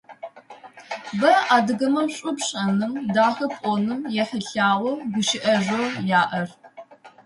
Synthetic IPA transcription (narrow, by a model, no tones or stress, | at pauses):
bɐʔaːdɨɣɐmɐmɕʼʊpɕʼɐnɨmdaːxɐpʼɔnɨmjɛħəɬaːʁʷɔɡʷʊʃɪʔɐʒʷojaːʔɐr